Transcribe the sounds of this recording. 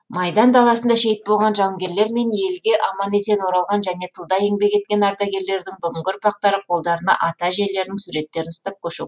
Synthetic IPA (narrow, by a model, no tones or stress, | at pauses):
mɑjd̪ɑnd̪ɑlˠɑsənd̪ɑʃe̞jɪt̪̚bo̞lˠʁɑnʒɑwŋɡʲe̞ɾle̞ɾme̞nje̞lɡʲe̞ʔɑmɑne̞se̞nwo̞ɾɑlˠʁɑnʒæne̞t̪ʰəlˠd̪ɑjeŋbe̞kʲʰe̞t̪̚kʲe̞nɑɾd̪ɑɡʲe̞ɾle̞ɾd̪ɪŋbʏɡʲɪŋɡʲɪɾʊpɑq̚t̪ɑɾəqʰo̞lˠd̪ɑɾənɑ̰ʔɑt̪ɑʒe̞ɾle̞ɾɪd̪ɪŋsuɾe̞t̪ːe̞ɾɪnʊst̪ɑp̚kʲʰɵʃṵ